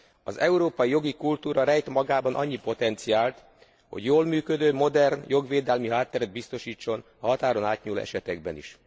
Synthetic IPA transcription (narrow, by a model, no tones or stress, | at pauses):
ɒzɛuɾoːpɒjijo̞ɡikult̪uːɾɒɾɛjt̪mɒɡaːbɒnʔɒɲːipo̞t̪ɛnt̪sijaːlt̪ | ho̞̰ɟjoːlmyːkød̪øːmo̞d̪ɛrnjo̞ɡʋeːd̪ɛlmiɦaːt̪ːɛɾɛd̪bist̪o̞ʃiːt͡ʃːo̞n | ɒɦɒt̪aːɾo̞naːt̪ɲulo̰ːɛ̰ʃɛt̪ɛɡbɛ̰nḭʃ